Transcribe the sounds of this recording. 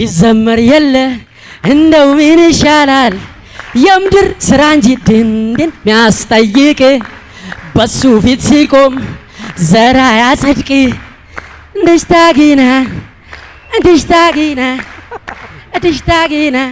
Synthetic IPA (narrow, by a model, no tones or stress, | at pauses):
jɪzɐmːɐɾjɛlːə | ɨnd̪ɐwminɪʃalal | jɛmd̪ɨɾsɨɾand͡ʒid̪ɨnd̪enmijast̪ʼɐjːɪkʼe | bɐsufit̪sikʼom | zɐɾajasʼɨd̪kʼi | ɨnd̪ɨʃt̪aɡina | ɨnd̪ɨʃt̪aɡina | d̪ɨʃt̪aɡina